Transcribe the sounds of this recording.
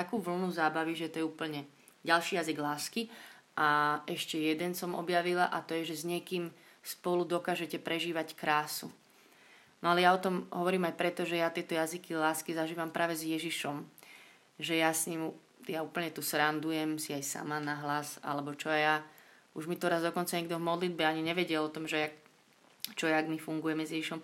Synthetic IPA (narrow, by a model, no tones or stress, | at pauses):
t̪akuːʋl̩nuzaːbaʋiʒɛt̪ɔjɛuːpl̩ɲɛ | ɟalʃiːjaziɡlaːskiʔaʔɛʃcɛjɛd̪ɛnsɔmɔ̰bjaʋilaʔat̪ɔjɛʒɛzɲɪɛkiːm | spɔlud̪ɔkaːʒɛcɛpɾɛʒiːʋackɾaːsṵ | nɔalɛjaɔt̪ɔmɦɔʋɔɾiːmajpɾɛt̪ɔʒɛjat̪ɪɛt̪ɔjazikilaːskizaʒiːʋampɾʔaːʋɛzjɛʒiʃɔm | ʒɛjasɲiːmu | jauːpl̩ɲɛt̪usɾand̪ujɛmsiajsa̰manaɦlaza̰lɛbɔt͡ʃɔɛja | uʒmit̪ɔɾazd̪ɔkɔnt͡saɲɛɡd̪ɔvmɔd̪lid̪̚bɛaɲiɲɛʋɛɟɛlɔt̪ɔmʒɛak | t͡ʃɔɛaɡmifuŋɡujɛmɛzjɛʒiʃɔm